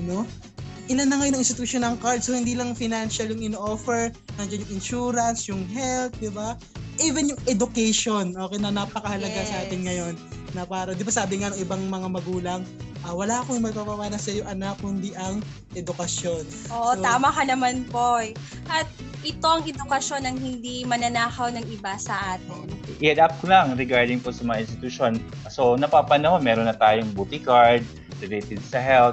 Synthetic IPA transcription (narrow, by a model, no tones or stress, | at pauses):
ɐno | ʔɪnanɐŋɐjoɐŋɪnst̪ɪt̪uʃjonɐŋkaɹd̪̚sohɪnd̪iːlɐŋfɪjnanʃɐljʊŋɪnʔoːfɛɹnɐŋd͡ʒɐnjʊŋɪnʃuːɾɐnsjʊŋɦɛlt̪̚d̪ɪba | ʔiːvɛnjʊŋʔɛd̪ʊkɛjʃonʔo̞ːkɛjnɐnapɐkɐhɐlɐɡasɐʔaːt̪ɪnŋɐjo̞nː | ɐpaːɾɐd̪ɪbasaːbɪŋanɐŋɪbaŋmɐŋamɐɡuːlɐŋʔɐwɐlaːʔɐkoɪŋmɐɡ̚papɐwaːnɐsɐjoŋʔɐnak̚hʊnd̪iʔɐŋ | ʔɛd̪ʊkɐsjo̞nʔoaːmɐkɐnɐmanpoɛ | ʔɐt̪̚ | ʔɪt̪oɐŋɛd̪ʊkɐʃo̞nɐŋhɪnd̪imɐnɐnaːhɐwnɐŋɪbasɐʔaːt̪ɪnʔɪɛd̪ap̚kolɐŋɾɛɡaɹd̪ɪŋposɐmɐŋa̰ʔɪnst̪ɪt̪ʊʃo̞n | sonɐpapɐnɐhonmɛːɾonːɐt̪aːjoŋbuːt̪ɪkaɹd̪̚ | ɾɛlejt̪ɛd̪̚sɐɦɛl